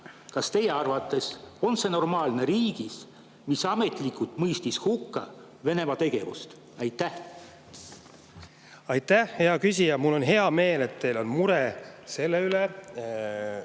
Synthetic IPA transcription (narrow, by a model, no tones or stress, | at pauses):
kɑst̪e̞je̞ɑrvɑt̪ːˑe̞so̞nse̞no̞rmɑːlne̞ɾiːɡ̥is | misɑme̞t̪ˑlikˑult̪mɤjst̪ishukːɑ̰ | ve̞ne̞mɑt̪e̞ɡ̥e̞̰vṵst̪ | ɑjt̪ːˑæh | ɑjt̪ːˑæhhe̞ɑkys̬ʲijɑmulːo̞nɦe̞ɑme̞ːle̞t̪ːe̞jlo̞nmuɾese̞lːeyle